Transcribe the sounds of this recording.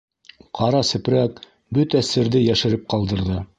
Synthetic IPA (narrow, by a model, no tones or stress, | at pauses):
qʰɑɾɑsɘ̆pɾæk | bɵt̪æsɘ̆ɾðɘjæʃɘ̆ɾɘp̚qɑlˠd̪ɤ̆ɾðɤ